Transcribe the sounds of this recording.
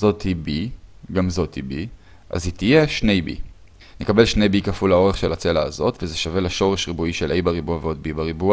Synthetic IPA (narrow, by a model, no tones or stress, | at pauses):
zo̞thibiɡamzo̞thibi | ʔa̰zitije̞ʃne̞jbḭ | nekabe̞lʃne̞jbikafulao̞ʁeχʃe̞lat͡selaːzo̞tvezeʃave̞laʃo̞ʁe̞ʃʁibuiʃe̞lʔejbaʁibuaveo̞d̚bibaʁibua